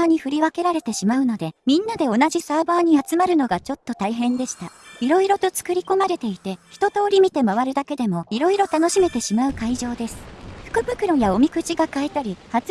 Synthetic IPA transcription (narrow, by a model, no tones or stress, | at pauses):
aːɲ̟iɸɯ̟ɾʲiβake̞ɾaɾe̞t̪e̞ɕimaɯ̟no̞d̪e̞mʲĩnːad̪e̞o̞naʑisaːbaːɲ̟iat͡sɨmaɾɯ̟no̞ɡat͡ɕo̞t̪ːo̞t̪aiɦẽ̞nd̪e̞ɕi̥t̪aiɾo̞iɾo̞t̪o̞t͡sɨ̥kɯ̟ɾʲiko̞maɾe̞t̪e̞it̪e̞çi̥t̪o̞t̪o̞ːɾʲimʲit̪e̞maβaɾɯ̟d̪ake̞d̪e̞mo̞iɾo̞iɾo̞t̪ano̞ɕime̞t̪e̞ɕimaɯ̟kaiʑo̞ːd̪e̞sɨ̥ɸɯ̟̥kɯ̟bɯ̟kɯ̟ɾojao̞mʲikɯ̟t͡ɕiɡakae̞t̪aɾʲihat͡s